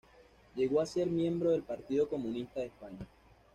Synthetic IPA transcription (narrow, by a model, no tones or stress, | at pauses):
ʝe̞ɣo̞ase̞ɾmje̞mbɾo̞ð̞e̞lpaɾt̪iðo̞ko̞mũnist̪aðespaɲa